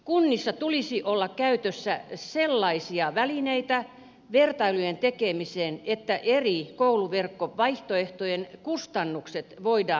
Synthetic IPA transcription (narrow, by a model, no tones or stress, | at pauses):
kunːisːɑt̪ulisiʔolːɑkkæyt̪øsːæselːɑisiɑʋælineit̪æ | ʋert̪ɑilujent̪ekemiseːnet̪ːæʔerikouluʋerkːoʋɑiht̪oeht̪ojenkust̪ɑnːukset̪ʋoidɑː